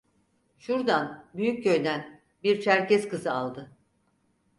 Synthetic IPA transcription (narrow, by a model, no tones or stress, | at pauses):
ʃuɾd̪anbyjyc̚ɟøjd̪æn | biɾt͡ʃʰæɾcɛzkɯzɯalˠd̪ɯ